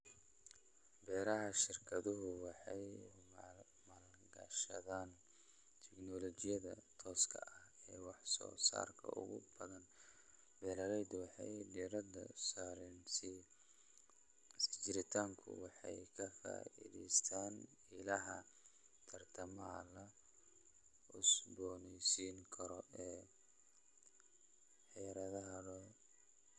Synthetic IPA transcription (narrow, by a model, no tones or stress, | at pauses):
bɛːɾɐɦɐʃɪrkʰɐðʊɦʊwɑħɑjm | mɐl | ɡɐ̰ʃɐ̰ðaːn | t̪ʰɪɡnɔlɔt͡ʃɪjɐðɐ̰t̪ʰɔːskʰɐ̰ʔɐhɛːwɑħsɔ̰ːsa̰ːrkʰɐ̰ʔʊ̰ɣʊ̰bɐðɐn | bɛːlɐlɛjd̪wɑħɑ̰jd̪iːɾɐd̪ɐsaːɾɛnsɪ | st͡ʃɪɾɪt̪ʰaːŋkʰʊ̰wɑħɑjkʰɐfa̰ːḭðɛ̰jst̪ʰaːn | ɪlɐɦɐ | t̪ʰɐrt̪ʰɐmɐlɐ | ʊsbɔːnɛjsiːŋkʰɐɾɔʔɛː | ħɛːɾɐðɐɦɐlɔ